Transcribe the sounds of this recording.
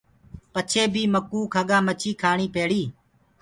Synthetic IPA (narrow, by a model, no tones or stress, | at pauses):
pət͡ʃʰeːbʱiːməkuːkʰəɠãːmət͡ʃʰiːkʰaːɳiːpeːɽiː